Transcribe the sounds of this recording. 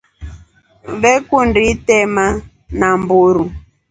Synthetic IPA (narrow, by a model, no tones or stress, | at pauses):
βɛkunditɛma | nambuɾu